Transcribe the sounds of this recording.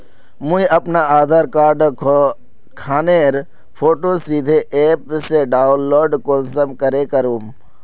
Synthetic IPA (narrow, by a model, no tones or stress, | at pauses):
mũiɐpnaaːd̪ʱaɾkaːɾɖ | kʰaːneːɾ | pʰoːʈosiːd̪ʱeʔeːpseɖaːʊnloːɖkoːnsəmkəɾekəɾũːm